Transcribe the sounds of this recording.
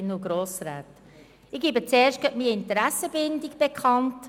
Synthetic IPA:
nːuɡɾoːsɾaːt | ɪɡ̥iːbət͡sɛːɾʃt̚ɡ̥ɛtmiːɪntəɾæsəbɪndiɡb̥ekʰχɑnt

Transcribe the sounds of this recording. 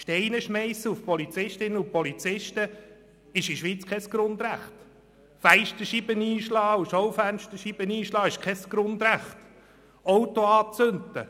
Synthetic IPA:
ʃtɛɪnəʃmɛɪsəufpɔlit͡sɪʃtɪnəʊpɔlit͡sɪʃtə | ɪʃiʃʋiːt͡skʰɛsɡ̥ɾʊndræχt | fæɪʃtəʃib̥əniːʃlɑːuʃɔwfænʃtəʃib̥əniːʃlɑːɪʃkʰɛsɡ̥ɾʊnd̪ɾæχt | ɔwtoɑːt͡sønt̪ə̰

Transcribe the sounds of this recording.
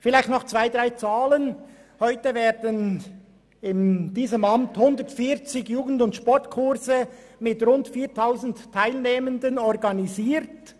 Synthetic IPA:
fɪlaɪxtnɔχt͡sv̥aɪd̥ʁaɪt͡saːlən | hɔʏtəveːdən | ɪnd̥iːzəmɑmthʊndətfiːɾt͡sɪɡjuːɡn̩dʊntʃpɔɹtkʰʊɾzə | mɪtʁʊntfiːtʰaʊzn̩tʰːaɪlneːməndənɔɾɡɑniziːɾt

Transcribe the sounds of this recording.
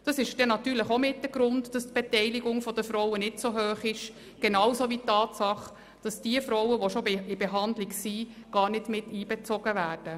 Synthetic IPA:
d̥ɑsɪʃd̥ɛnɑtyːɾləχomɪtːəɡ̥ɾʊndd̥ɑstb̥etɛɪliɡʊŋfɔd̥əfɾɔwənɪtsoɦøːχɪʃ | ɡ̥enɑwsoʋitːɑːtsɑχ | d̥ɑsd̥iəfɾɔwəʋoʃoɪbeɦɑndlɪksiɡ̥ɑːrnɪtmɪtːiːbɛt͡sɔɡəvæːrd̥ə

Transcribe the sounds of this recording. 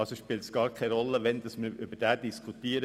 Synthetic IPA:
ɑsoʃpɪːltsɡ̥ɑːɾkʰɛɾɔlːəʋɛnd̥ɑsməɾʏbəɾd̥æːdiskʰut̪iːəɾə

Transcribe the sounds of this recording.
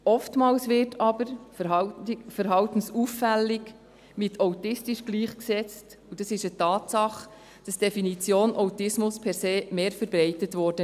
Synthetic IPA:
ɔftmɑːlsʋɪtʰɑbəɾfəɦɑfəɾɦɑltən̩suːfːælːɪk | mɪtʰawtɪstiʃɡ̥liːχksɛt͡st | ud̥ɑsɪʃətɑːtsɑχ | d̥ɑsd̥ɛfinit͡sjoːnʔawtɪsmʊspʰɛɾseːmeːɾfəɾbɾɛɪtətʋɔɾd̥ə

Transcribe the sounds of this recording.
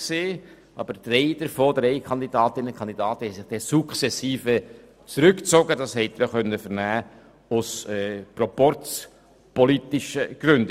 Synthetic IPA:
seː | ɑ̰bəd̥ɾɛɪd̥əɾfoːdɾeɪkʰɑnd̪idɑːtɪnənkʰɑnd̪idɑːtəhɛɪsɪχd̥ɛsukχsɛsiːfə | t͡sɾʏkt͡soɡədɑshɛɪt̪ɪɾjoχœnːəfəɾnæː | ʊsɛːpɾɔpɔɾt͡s | pɔlit̪ɪʃəɡ̥ɾʏnd

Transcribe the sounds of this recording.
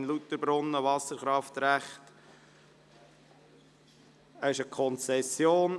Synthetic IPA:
nlut̪əɾbɾʊnːəʋɑsəɾχɾɑft̪ɾæχt | əɪʃəkʰɔnt͡sɛsjoːn

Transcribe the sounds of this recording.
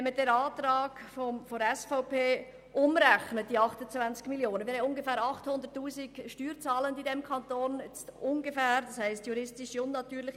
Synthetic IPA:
ɛmədɛɾɑːtɾɑːɡ̥fɔmfɔɾɛsfɔʊpeː | ʔʊmɾɛxnət̚d̥iɑχtʊt͡svant͡skmiljoːnənmɪhɛɪnʊnɡəfɛːɾɑχthʊndəɾtːuːzɪɡʃtyːɾt͡sɑːləndidɛmkʰɑntoːnɛt͡stʔʊnɡefæːɾdɑshɛɪstjuɾɪstɪʃiʊnːɑtyːɾlɪx

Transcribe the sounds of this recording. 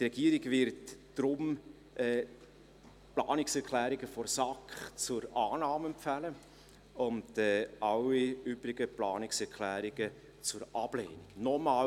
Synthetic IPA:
trɛɡiːəɾiɡvɪɾtd̥ɾʊm | ʔɛː | plɑ̰ːnɪksɛɾkʰlæːɾɪɡəfɔɾsɑkχt͡sʊɾɑːnɑːmɛmpfælə | ʊndɛːʔɑlːiyb̥ɾɪɡəplɑːnɪksɛɾkʰlæːɾɪɡə | t͡sʊɾʔɑb̥leːniɡ̥nɔmɑː

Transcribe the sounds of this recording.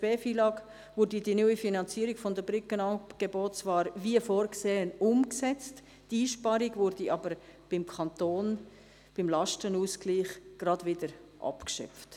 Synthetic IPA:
pɛːfiːlɑːɡ | vʊːɾdidinyifinɑnt͡siəɾiɡ̥fɔndəbɾʏkənɑɡ̥eboːtt͡svɑːɾviəfoːɾkseːənʊmksɛt͡st | diːʃpɑɾiɡvʊɾdiʔɑbəɾb̥ɪmkʰɑnt̪oːn | b̥ɪmlɑʃtənuːskliːχɡ̥ɾɑdvɪdəɾʔɑ̰pkʃœ̰p͡ft

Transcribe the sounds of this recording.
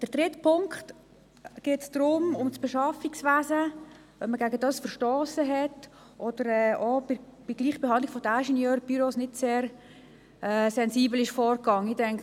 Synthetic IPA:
d̥əɾd̥ɾɪtpʰʊŋkχt | ɡ̥ɪtsd̥ɾʊmʊmt͡sb̥eʃɑfiksvæːzə | œpməɡæɡədɑːsfərʃtɔːsəɦɛt | ʔɔd̥əɾɛobɪb̥iɡ̥liːχəbeɦɑndlɪɡfɔdaɪʃɛnjøːɾb̥yɾosnɪtseːɾ | ʔɛsɛnsiːbl̩ɪʃfɔːɾkɑŋːəɪdɛŋk

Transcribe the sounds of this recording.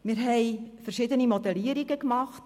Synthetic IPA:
mɪɾɦɛɪfərʃidənimɔdɛliːəɾiɡəkmɑχt

